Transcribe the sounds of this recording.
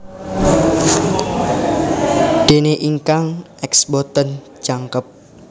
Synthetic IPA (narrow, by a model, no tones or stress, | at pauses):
ɖ̥e̤neʔiŋkaŋɛksbɔt̪ən | d͡ʒaŋkəp̚